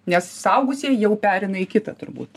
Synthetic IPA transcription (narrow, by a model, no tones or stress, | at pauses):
nʲɛssɐʊɡʊsʲiːjɛʊpʲæːɾʲɛɪnɐɪkʲɪt̪ɐt̪ʊrbṵːt̪